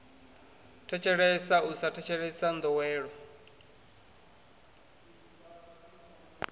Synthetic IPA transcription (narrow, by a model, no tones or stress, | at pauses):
tʰɛt͡ʃʰɛɺɛsausatʰɛt͡ʃʰɛɺɛsand̪ɔwɛːɺɔ